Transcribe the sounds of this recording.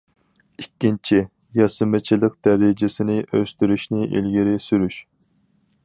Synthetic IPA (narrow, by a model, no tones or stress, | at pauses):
ikʲːint͡ʃʰi | jɑsɨmɪt͡ʃʰilˠɪq̚d̪̥æɾɪd͡ʒɪsɪnɪʔøst̪yɾyʃnɪʔḭlɡʲiɾɪsyɾyʃ